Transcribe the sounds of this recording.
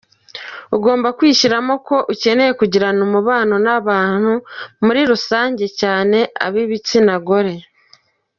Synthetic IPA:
uɡo̞ːmbakwiːʃiɾamo̞ko̞ʔuce̞ne̞je̞kuɟiɾanumuβaːno̞naβaːn̥humuɾiɾusaːɲɟe̞caːne̞a̰βiβit͡sinaɡo̞ɾe̞

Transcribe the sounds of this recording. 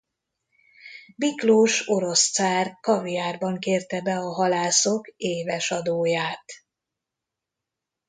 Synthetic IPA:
bikloːʃo̞ɾo̞st̪saːrkɒvijaːrbɒŋkeːrt̪ɛbɛɒɦɒlaːso̞keːvɛʃɒd̪oːjaːt̪

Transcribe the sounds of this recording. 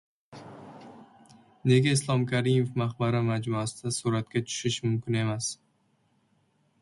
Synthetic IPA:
ne̞ɡʲaɪslˠɒmkʲʰaɾɪmofmaχbaɾamad͡ʒmʊasɪd̪̥asʊɾat̪̚kʲat͡ʃ̪ʰʊ̥ʃɪʃmʊmkʲɪne̞mas

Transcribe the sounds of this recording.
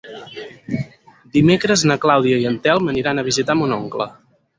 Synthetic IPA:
d̪imekɾəznəklawðiəiənt̪ɛlˠməniɾanəβ̞izit̪amunoŋklə

